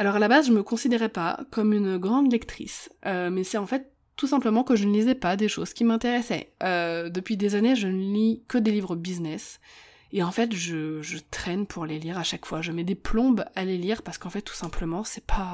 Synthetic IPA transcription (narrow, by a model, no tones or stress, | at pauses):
alɔʁalabazʒəməkɔ̃sid̪eʁɛpa̰kɔmynɡʁɑ̃d̪lɛkt̪χḭsømɛsɛt̪ɑ̃fɛt̪ː | usɛ̃pləmɑ̃kəʒənəlizɛpad̪eʃoz̥kʲimɛ̃t̪eʁɛsɛ̰ød̪əpɥid̪ezaneʒənəlikəd̪elivʁəbiznɛs | eɑ̃fɛt̪ʒəʒət̪χɛnpʰuʁleliʁaʃakfwaʒəmɛd̪eplɔ̃baleliʁpaʁsə̥kɑ̃fɛt̪ːu̥sɛ̃pləmɑ̃sɛpʰa